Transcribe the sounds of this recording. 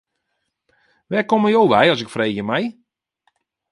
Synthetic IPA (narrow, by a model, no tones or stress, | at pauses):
ʋɛːkoməjowʋɛjɔsɪkfreːɣjəmɛj